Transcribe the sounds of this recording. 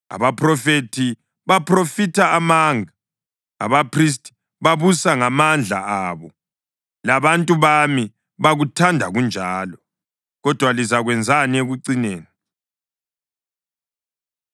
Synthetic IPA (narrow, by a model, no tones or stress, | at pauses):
a̰βapʰrɔfetʰi | βapʰrofitʰaamaŋa | a̰βapʰris̬tʼi̥ | βaβusaŋamand͡ɮʱa̰ʔaːβɔ | laβantʼuβami | βaɣutʰandʱaɣund͡ʒʱaːlɔ | ɣɔd̥ʱwalizaɣwɛnd͡zʱanieɣuǀineːni